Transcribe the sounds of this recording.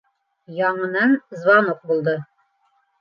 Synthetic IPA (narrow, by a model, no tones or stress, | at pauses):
jɑɴɤ̆nɑnzβɑnofbulˠd̪ɤ